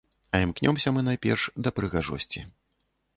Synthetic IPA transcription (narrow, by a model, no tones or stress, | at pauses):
ɐimknʲɔmsʲɐmɨnajpʲɛ̰rʂd̪ɐpɾɨɣaʐɔ̰sʲt͡sʲḭ